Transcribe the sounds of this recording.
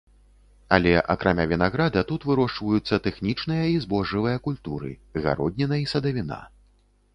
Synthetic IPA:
ɐ̰lʲɛʔɐ̰kɾʔamʲavʲinaɣɾad̪ɐt̪ut̪vɨɾɔʂt͡ʂvɐjut̪sːɐt̪ɛxnʲit͡ʂnɨjɐizbɔʐɨvɨjɐkulʲt̪uɾɨ̰ɣa̰ɾɔd̪ʲnʲɛnɐisɐd̪ɐvʲina̰

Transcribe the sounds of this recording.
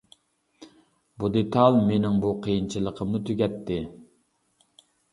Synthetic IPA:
bud̪et̪ʰɑlˠmenɪŋbuqʰijint͡ʃʰilˠəqʰəmnut̪ʰyɡʲɛt̪ʰːɪ

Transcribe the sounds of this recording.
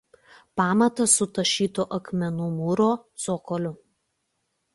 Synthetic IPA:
pɑːmɐt̪ɐsʊt̪ɐʃʲiːt̪oʔɐkmʲɛnʊmʊɾoːsoːkɔlʲʊ

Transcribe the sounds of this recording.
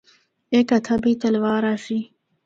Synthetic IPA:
ekat̪ʰɐbit̪ɐlwaːɾaʂi

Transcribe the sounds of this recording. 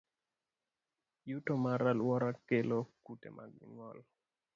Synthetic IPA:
jutomaɾalwɔɾakelokutḛma̰ɡɪ̰ŋɔl

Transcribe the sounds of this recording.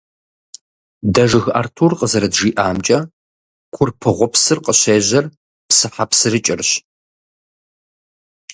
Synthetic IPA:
dɐʐɨɣʔa̰ːrtʰuːrqʼəzɐɾɐdʒiːʔaːmt͡ʃʼɐ | kʷʰʊrpʰɨʁʷɔpsɨrqʼəɕeːʑɐr | psɨħapsɨrɨt͡ʃʼɪrɕ

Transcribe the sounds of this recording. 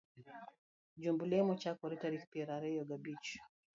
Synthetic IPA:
d͡ʒumbulɛmɔt͡ʃakɔɾɛtaɾikpɛɾaɾɛjɔɡabit͡ʃu̥

